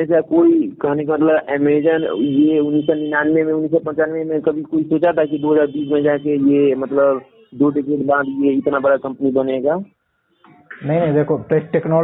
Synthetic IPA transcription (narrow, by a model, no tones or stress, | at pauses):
esakoikəɦnek̬emət̪ləbemed͡ʒənjeunːisːɔninanmemẽunːis̬ɔpə̃nt͡ʃanmemekəbʱikoisot͡ʃat̪akid̪oɦəd͡ʒaɾbis̬mə̃d͡ʒakejemət̪ləb | d̪oɖekeɖbãd̪jeɪt̪nabəɽakə̃mpnibəneɡa | nəɦinə̃ĩd̪ekʰoʈeʈeknɔ